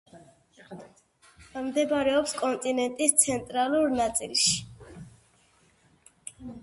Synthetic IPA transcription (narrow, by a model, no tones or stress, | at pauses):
amd̪ɛbaɾɛɔpskʼɔnt̪ʼinɛnt̪ʼist̪sʰɛnt̪ʼɾaluɾnat̪sʼḭlˠʃi̥